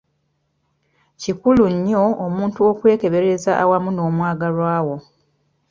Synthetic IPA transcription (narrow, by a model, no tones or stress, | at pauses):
cikuluɲːo̞ːmuːntuokwe̞ːke̞βe̞ɾe̞zaʔawamuno̞ːmwaːɡalwaːwo̞